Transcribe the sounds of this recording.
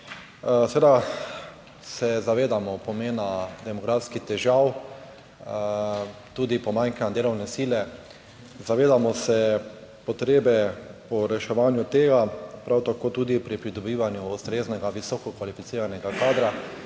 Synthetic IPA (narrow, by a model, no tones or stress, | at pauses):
sɛʋeːd̪a | sɛzaʋeːd̪amɔpɔmeːnad̪ɛmɔɡɾafskixt̪ɛʒaw | t̪uːd̪ipɔmaŋkanad̪eːlɔwnɛsiːlɛ | zaʋeːd̪amɔsɛpɔt̪ɾeːbɛpɔɾɛʃɛʋaːnjʊt̪eːɡapɾawt̪akoːt̪uːd̪ipɾipɾid̪ɔbiːʋanjuːst̪ɾeːznɛɡaʋisɔːkɔkʋalifit̪siːɾanɛɡakaːd̪ɾa